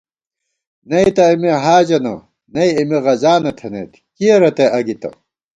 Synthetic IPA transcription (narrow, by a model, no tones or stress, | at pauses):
nɐit̪ɐimiɦaːd͡ʑɐnɐ̰ | nɐiːmiʁɐzaːnɐt̪ʰenḛt̪ | kijeɾɐt̪eʔɐɡit̪ɐ̰